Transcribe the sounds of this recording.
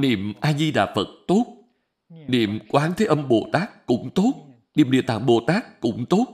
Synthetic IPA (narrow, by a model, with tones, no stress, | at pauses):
nḭ˧˨əmʔaː˧zi˧ɗa̰ː˨˩fə˨˩t̚t̪o˦˥t̚ | nḭ˧˨əmkwaː˨˦nt̪ʰe˨˦ʔə˧mɓo˨˧˩t̪aː˦˥k̚ːʊ̰˧˥ŋ͡mt̪o˦˥t̚ | nḭ˨˧˨mɗḭ˧˨ət̪a̰ː˧˨˩ŋɓo˨˩t̪aː˦˥k̚ːʊ̰˧˥ŋ͡mt̪o˦˥t̚